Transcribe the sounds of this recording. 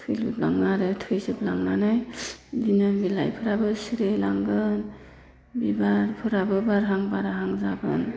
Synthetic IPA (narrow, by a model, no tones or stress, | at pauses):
tʰɯjlɯ̰pla̰ŋnaɾɯtʰɯjzɯp̚laŋnanajbinanbila̰jpʰɯɾabɯsiɾelaŋɡɯn | bibaɾpʰɯɾabɯbaɾɦaŋbaɾaɦaŋzaɡɯ̰n